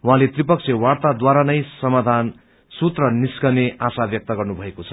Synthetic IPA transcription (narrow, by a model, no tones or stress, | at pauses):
wɦãlet̪ripʌksʰjʌwaɽt̪ad̪waɾanʌjsʌmad̪ʱan | sut̪rʌniskʌneʔasabjʌk̚t̪ʌɡʌrnubʱʌekot͡sʰʌ̥